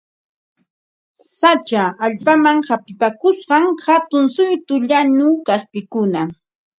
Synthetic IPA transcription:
sat͡ʃaːʎpamaŋhapɪpakʊsɢɑŋhat̪ʊnsʊjt̪ʊʎanʊkaspɪkʊna

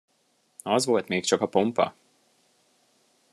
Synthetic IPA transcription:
ɒzʋolt̪meːkt͡ʃɒkɒpompɒ̰

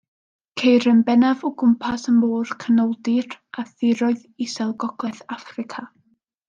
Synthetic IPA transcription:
kʰejɾənbɛnavɔɡʊmpʰasənmoːr̥kʰənɔlˠdɪraθɪɾɔɨðisɛlˠɡɔɡ̥lˠɛθafrɪkʰa

